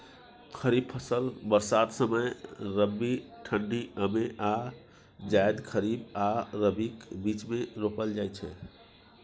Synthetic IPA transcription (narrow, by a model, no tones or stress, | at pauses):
kʰəɾiːb̚pʰəsəlbəɾsat̪səməjɾəbːiʈʰəɳɖiʔəmeʔa | d͡ʒaɪd̪kʰəɾibaɾəbikbiːt͡ʃmẽɾopəld͡ʒaːjt͡ʃʰɛ̰